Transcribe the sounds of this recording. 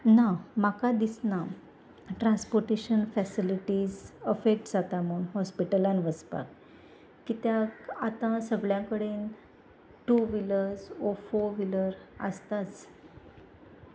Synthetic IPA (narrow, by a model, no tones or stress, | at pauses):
namakad̪isna | ʈɾãnspoɾʈeɕənfɛsiliʈiːd͡zəfek̚ʈd͡zat̪am̤əunɦɔspiʈəlãnʋəspa̰k | kit̪jakat̪ãsəɡɭjãkəɽen | ʈuʋiləɾsofoʋiləɾə̰st̪at͡s